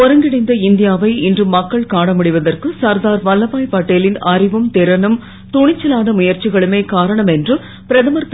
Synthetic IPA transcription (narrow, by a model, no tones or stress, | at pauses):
ɔɾɐŋɡɪɽɐɪnd̪ɐɪnd̪ɪjaːʋɐɪɪndrɯmːɐkːɐɭkaːɽɐmʊɽɪʋɐðɐrkɯsɐɾd̪aːɾʋɐlːɐpaːjpaːʈːelɪnɐrɪʋɯmt̪ɪɾɐnɐm | t̪ʊɳɪt͡ʃːɐlaːnɐmʊjɐɾt͡ʃɪɣɐɭɯmeːkaːɾɐɳɐmɛndrɯ | pɪɾɐðɐmɐɾt̪